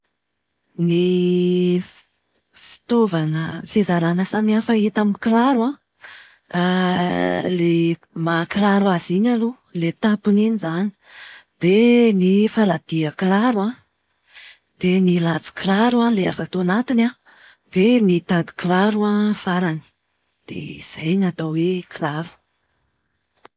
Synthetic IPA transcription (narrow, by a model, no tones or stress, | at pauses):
ni | fi̥t̪ovanəfezaɾanəsamiafait̪aminkiɾaɾuã | le | makɾaɾuaziɲalu | let̪apuninizani̥ | d̪̥enifalad̪̥iakɾaɾuã | d̪̥enilat͡si̥kɾaɾualea̰fat̪onat̪ina | b̥enit̪ad̪i̥klaɾuafaɾani̥ | d̪̥ḛiz̥ajnat̪aweklaɾu̥